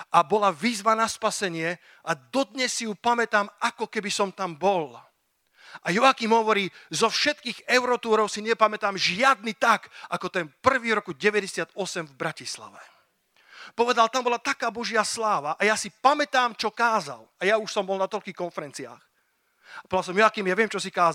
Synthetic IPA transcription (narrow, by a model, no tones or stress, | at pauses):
ʔabɔlaʋiːzʋanaspasɛɲɪɛ | ʔad̪ɔd̪ɲɛsːijupamɛt̪aːmakɔkɛbisɔmt̪ambɔl | ʔajɔakimɦɔʋɔɾiːzɔfʃɛt̪kiːɣɛʊɾɔt̪uːɾɔʊsiɲɛpamɛt̪aːmʒɪad̪nit̪akakɔt̪ɛnpr̩ʋiːɾɔkuɟɛʋɛɟɛsɪad̪ɔsɛmvbɾacisla̰ʋɛ | pɔʋɛd̪alt̪ambɔlat̪akaːbɔʒɪaslaːʋaʔajasipamɛt̪aːmt͡ʃɔkaːza̰lajauʃsɔmbɔlnat̪ɔʎkiːxkɔnfɛɾɛnt͡sia̰ːx | apɔd̪alsɔmjɔakimjaʋɪɛmt͡ʃɔsikaːz